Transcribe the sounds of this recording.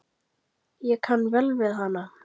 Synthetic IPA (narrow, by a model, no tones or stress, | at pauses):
jɛkʰanːvɛlvɪðɦanːa